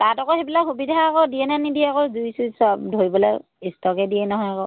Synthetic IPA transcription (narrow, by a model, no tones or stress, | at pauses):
tatɔkɔxebilakxubidʱaːkɔdiɛnanidiɛakɔzuisusadʱoɹibɔlaj | istɔkɛdijɛnɔɦɔjakɔ̰